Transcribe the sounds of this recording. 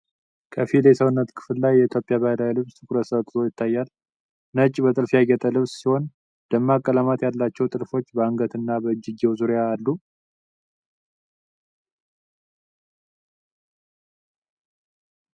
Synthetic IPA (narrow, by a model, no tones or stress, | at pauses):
kʰəfilesəwnːət̪kʰɨ̥fɨllajːɛit̪ʰjo̞pʼːjaβajlawlɨβst̪ʰɨkʼuɾəsəβt̪ʼɨɾo̞jɪt̪ʰːajːal | nət͡ʃʼːbət̪ʼɨlfjaɡɛt̪ʼəlɨβssiho̞n | d̪̥əmːakʼːələmat̪jalːat͡ʃːɛwt̪ʼɨlfo̞t͡ʃːbəaŋɡət̪ʰɨnːabəɨd͡ʒːɪɡewzuɾjaːlːu